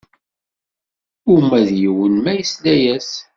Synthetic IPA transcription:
ʊmæðjiwənmæjəslæjæs

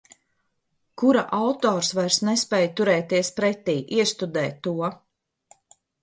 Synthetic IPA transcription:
kuɾaʔawt̪ɔːɾsvajɾsnɛspɛːjt̪uɾɛːt̪iɛspɾɛt̪iːʔiɛst̪ud̪ɛːt̪ːuɔ

